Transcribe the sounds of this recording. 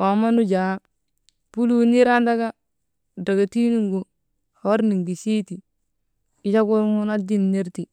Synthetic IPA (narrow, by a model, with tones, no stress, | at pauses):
o˨ma˦nu˦d͡ʒa˨˦ | pu˦lu˦ni˦ɾa˦nda˦ɡa˦ | da˨ɡa˨ti˦nu˦ŋɡu˨ | ho˦ɾni˨ŋɡi˨si˦ti˨ | i˨˦t͡ʃa˦ku˦ɾŋu˦na˦di˦nːi˦ɾti˨